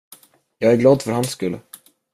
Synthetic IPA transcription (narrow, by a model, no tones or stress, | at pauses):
jɑːɡæɾɡlɑːd̪fœɾhanskɵlː